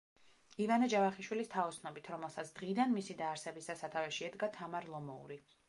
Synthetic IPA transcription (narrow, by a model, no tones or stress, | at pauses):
ivanad͡ʒavaχiʃwilist̪ʰaɔsʰnɔbit̪ʰɾɔmɛlˠsat̪sʰd̪̥ʁid̪anmisid̪aːɾsɛbisd̪asat̪ʰavɛʃiɛd̪ɡat̪ʰamaɾlˠɔmɔṵɾi